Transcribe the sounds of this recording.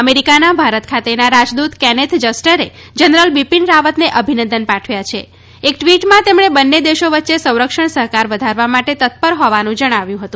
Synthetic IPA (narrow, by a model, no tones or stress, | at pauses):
əmeɾikanabʱaɾət̪kʰat̪enaɾad͡ʒd̪ut̪kɛnet̪ʰd͡ʒəsʈəɾe | d͡ʒənɾəlbipinɾaʋət̪neʔəbʱinə̃nd̪ənpãʈʰʋjat͡ʃʰe | ek̚ʈʋiʈmãt̪emɽ̃ebənːed̪eʃoʋətːʃesə̃w̃ɾəkʃəɳsəɦkaɾʋəd̪ʱaɾʋamaʈet̪ət̪̚pəɾɦɔʋanũd͡ʒəɽ̃aʋjũɦət̪ũ